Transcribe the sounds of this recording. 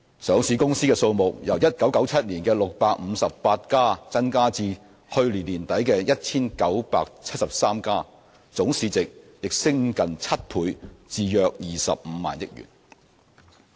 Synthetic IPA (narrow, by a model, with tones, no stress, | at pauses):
sœː˨˧ŋsiː˧kʊ˥ŋsiː˥kɛː˧so˧wmʊ˨k̚jɐ˨˩wjɐ˥t̚kɐ˨˥wkɐ˨˥wt͡sʰɐ˥t̚liː˨˩nkɛː˧lʊ˨k̚paː˧k̚m̩˨˧sɐ˨ppaː˧t̚kaː˥t͡sɐ˥nkaː˥t͡siː˧ | hɵ˧ɥliː˨˩nliː˨˩nt̪ɐ˨˥jkɛː˧jɐ˥t̚t͡sʰiː˥nkɐ˨˥wpa̰ː˧k̚t͡sʰɐ˥t̚sɐ˨p̚saː˥mkaː˥ | t͡sʊ˨˥ŋsiː˧t͡sɪ˨k̚ | jɪ˨k̚sɪ˥ŋkɐ˨nt͡sʰɐ˥t̚pʰuː˨˧jt͡siː˧jœː˧k̚jiː˨˩sɐ̰˨p̚m̩˨˦ma̰ː˨njɪ˥k̚jy̰ː˨˩n